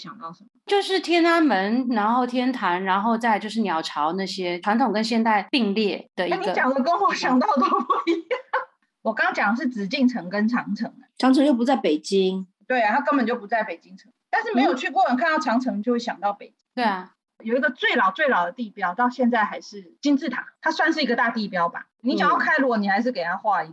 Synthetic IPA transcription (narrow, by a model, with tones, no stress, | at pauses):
ɕjɑ˨˩ŋt̪ɑ˥˩ʊʂə˧˦mə˦˩t͡ɕjo˥˧ʊʂɻ̩˥˩t̪ʰjɛ˥na˥nmə˧˦nɻa˧˥nxo˥˩ʊt̪ʰjɛ˥nt̪ʰa˧˥nɻa˧˥nxo˥˧ʊt͡sa˥˧ɪt͡ɕjo˥˧ʊʂ̬ɻ̩˥˩njɑ˨˩ʊʈ͡ʂʰɑ˧˥ʊna˥˩ɕjɛ˥ʈ͡ʂʰwa˧˥nt̪ʰʊ˨˩ŋkə˦nɕjɛ˥˧nt̪a˥˧ɪpi˥˧ŋljɛ˥˩d̪̥ə˩ia˥˧˩niɡə˧t͡ɕjɑ˨˩ŋd̪ə˧˦kə˥nxɔ˧˥˩ɕjɑ˨˩ŋt̪ɑ˥˩ʊt̪o˧˥˩i˥˩˥ | wɔ˨˩kɑ˥ŋɑ˥ŋt͡ɕjɑ˨˩ŋd̪ə˧˦ʂ̬̩˥˩t͡sɻ̩˨˩t͡ɕi˥˩ŋʈ͡ʂʰɤ˧˥ŋkə˦nʈ͡ʂʰɑ˧˥ŋʈ͡ʂʰɤ˧˥˦ŋd̪ə˦ʈ͡ʂʰɑ˧˥ŋʈ͡ʂʰɤ˧˦ŋt͡ɕo˥˩p̬u˧t͡sa˥˩ɪpe˨˩ɪt͡ɕi˦˥ŋt̪we˥˩ɪa˨˩a˥kə˥nmpə˨˩nt͡ɕo˥˩ʊp̬u˧˥t͡sa˥˩ɪpe˨˩ɪt͡ɕi˥ŋʈ͡ʂʰɤ˧˥ŋt̪nʂɻ̩˥˩me˧˥ɪjo˨ʊt͡ɕʰy˥˧kwɔ˥˩wə˨˩nkʰa˥˧nt̪ɑ˥˩ʊʈ͡ʂʰɑ˧˥ŋʈ͡ʂʰɤ˧ŋt͡ɕjo˥˧ʊwe˥˩ɕjɑ̰˨˩ŋt̪ɑ˥˩ʊpe˨˩ɪt͡ɕi˥ŋt̪e˥˩˨ | jo˨˩ʊi˧˥ɡə˧t͡swe˥˩ɪlɑ˨˩ʊt͡swe˥˩ɪlɑ˨˩ʊd̪ə˩˦t̪i˥˩pjɑ˥ʊt̪ɑ˥˧ʊɕjɛ˥˧nt͡sa˥˩ɪxa˧˥ɪʂɻ̩˥˩t͡ɕi˥nt͡sɻ̩˥˩t̪ʰa̰˨˦t̪ʰa˥swa˥˧nʂɻ̩˥˩i˧˥ɡə˧t̪a˥˧t̪i˥˨˩pjɑ˥ʊba̰˨˩ni˧˦ɕɑ˨˩ŋjɑ˥˩kʰa˥ɪlə˨˩wɔ˨˩ni˨˩xa˧˥ɪʂɻ̩˥˩ke˨ɪt̪ʰa˦˥xwa˥˧i˥˩